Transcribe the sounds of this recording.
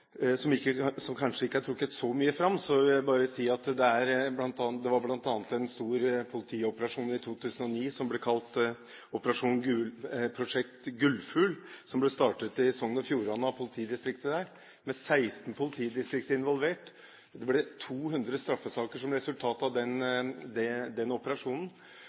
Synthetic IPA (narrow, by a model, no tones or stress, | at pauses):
sɔmɪkːəsɔmkʰɑnʂəɪkːəæʈʰɾʊkːət̪sɔmyːəfɾɑmːsɔɪbɑːɾəsiːɑt̪d̪ɛæɾblɑnt̪ɑd̪ɛʋɑɾblɑnt̪ɑːnət̪ɛnst̪uːɾpʰʊlɪt̪ʰiːɔpəɾɑʂuːnɪt̪ʰuːt̪ʰʉːsənɔniːsɔmblɛkʰɑlt̪ | ɔpəɾɑʂuːnɡʉlpʰɾʊʂɛkt̪ɡʉlfʉːlsɔmblɛst̪ɑːʈət̪ɪɛsɔŋːənɔfjuːɾɑnəɑpʰʊlɪt̪ʰiːd̪ɪst̪ɾɪkt̪əd̪æːɾ | mɛsæɪst̪npʰʊlɪt̪ʰiːd̪ɪst̪ɾɪk̚t̪əɪnʋɔlʋeːʈ | d̪ɛblɛt̪ʰuːɦʉnd̪ɾəst̪ɾɑfːəsɑːkəʂɔmɾɛsʉlt̪ʰɑːt̪ɑʋd̪ɛnd̪ɛd̪ɛnɔpəɾɑʂuːnən̩